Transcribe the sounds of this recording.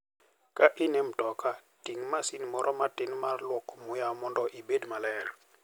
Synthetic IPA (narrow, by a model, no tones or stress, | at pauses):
kaʔinem̩tɔka | tiŋmasinmɔɾʔɔmatinmaɾlwɔkɔmujamɔndɔʔibedmalɛɾ